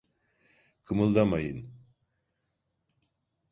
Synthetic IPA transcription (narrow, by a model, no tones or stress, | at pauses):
kʰɯmɯlˠd̪amajɯn